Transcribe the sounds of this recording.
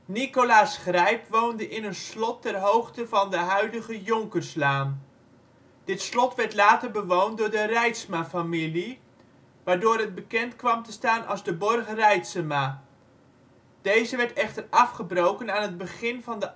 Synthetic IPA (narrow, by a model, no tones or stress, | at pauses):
nikolaːsχrɛjpʋowndəʔɪnənslɔtːɛrɦowχtəvɑndəɦœɥdəχəjʊŋkəɹslaːm | d̥ɪtslɔtʋɛɹtlaːtəɹbəʋowntdʊːɹdərɛjtsmafamili | ʋaːɹdʊːɾɦəd̚bəkɛntkʋɑmtəstaːnʔɑ̰lˠzdəbɔrχərɛjtsəmaː | d̥ejzəʋɛɹtɛχtərɑfχəbrowkənaːnɦəd̚bəχɪnvɑndə